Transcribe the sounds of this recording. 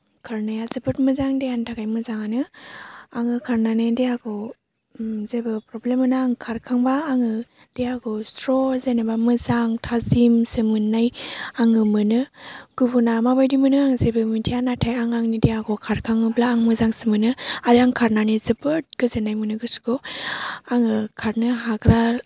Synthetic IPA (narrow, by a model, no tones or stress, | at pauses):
kʰaɾnajazɯbɯtmɯzaŋdejantʰaɡajmɯzaŋanɯ | aŋɯkʰaɾnanɯdejaɡɔ | zebɯpɾɔblemɯnaːŋkʰaɾkʰaŋbaːŋɯ | d̥ejaɡɔstɾɔzenɯbamɯzaŋtʰazimsɯmɯnːajaŋɯmɯnɯɡ̥ubunamabajdimɯnɯaŋzebɯmɯtʰijanatʰajaŋaŋnidejaɡɔkʰaɾkʰaŋɯblaːŋmɯzaŋsɯmɯnɯadiaŋkʰaɾnanizɯbɯt̚ɡ̥ɯzenajmɯnɯɡɯsu̥ɡo | aŋɯkʰaɾnɯɦaɡɾa